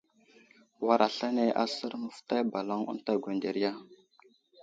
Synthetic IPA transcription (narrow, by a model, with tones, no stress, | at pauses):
wa˦ɾʔa˨ɬa˦ne˦ʔa̰˦sə˦ɾmə˨fta˦ba˨la˦ŋṵ˦nta˦ɡʷe˨nde˨ɾja˦